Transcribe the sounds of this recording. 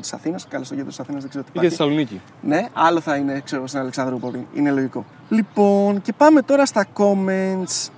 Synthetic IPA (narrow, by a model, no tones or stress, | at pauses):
t̪i̥sɐθinɐskɐlost̪oʝd̪ɾt̪isɐθinɐzðezeɾiot̪ipiɾesɐlunici | ne̞ɐlo̞θɐinekse̞ɾoosinɐleksɐnd̪ɾoupovɾinḭne̞lo̞ʝiko̞ | lipo̞nce̞pɐme̞t̪o̞ɾɐst̪ɐko̞ment̪s